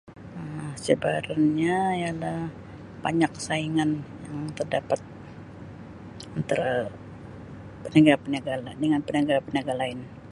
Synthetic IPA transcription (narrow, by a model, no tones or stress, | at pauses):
əsəbaɾanɲaijala | paɲak̚saiŋanjaŋt̪ərdapat̪̚ | ənt̪aɾa | pənəɡaɾpənaɡaladəŋanpənaɡapənaɡalaɪn